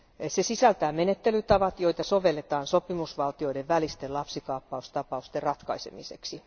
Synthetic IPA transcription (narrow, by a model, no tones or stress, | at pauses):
sesisælt̪æːmenet̪ːelyt̪ɑʋɑt̪jo̞jt̪ɑsoʋe̞lːet̪ɑːnsopimusʋɑlt̪io̞ideʋʋælist̪elɑpsikɑːpːɑust̪ɑpɑust̪errɑt̪kɑisḛmiseksi